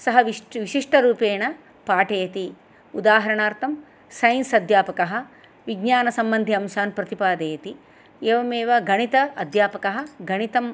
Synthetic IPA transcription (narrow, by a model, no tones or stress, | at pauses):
sɐɦɐʋiʋiʃiʂʈɐɾuːpeːɳɐ | paːʈeːjɐt̪i | ud̪aːɦɐɾɐɳaːɾt̪ʰɐm | sɐjnsɐd̪ʱjaːpɐkɐɦɐ̆ | ʋiɡɲaːnɐsɐmbɐnd̪ʱiɐmsaːnpɾɐt̪ipaːd̪eːjɐt̪i | eːʋɐmeːʋɐɡɐɳit̪ɐːd̪ʱjaːpɐkɐɦɐ̆ɡɐɳit̪ɐm